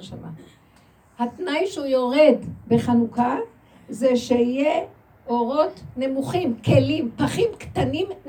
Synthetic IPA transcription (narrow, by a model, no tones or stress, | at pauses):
ʃama | hat̪najʃeujo̞ʁedbe̞χanuka | zeʃeije | ʔo̞ʁo̞t̪ne̞muχimkʰelimpaχimkt̪anim